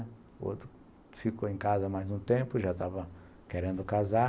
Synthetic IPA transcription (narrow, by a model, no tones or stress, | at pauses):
o̰t̪ɾʊ | fikoẽj̃kazɐmajzũt̪ẽmpʊʒat̪avɐ | keɾẽnd̪ʊkaza